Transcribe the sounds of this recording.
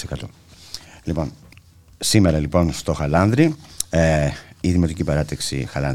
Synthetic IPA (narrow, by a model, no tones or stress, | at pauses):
sekɐt̪o̰ | lipo̞n | simeɾɐlipo̞nst̪o̞xɐlɐnðɾieiðimo̞t̪icipɐɾɐt̪ɐksḭxɐlɐn